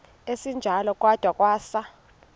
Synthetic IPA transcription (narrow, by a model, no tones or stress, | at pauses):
esind͡ʒʱalɔkʼwad̥ʱwakʼwaːsa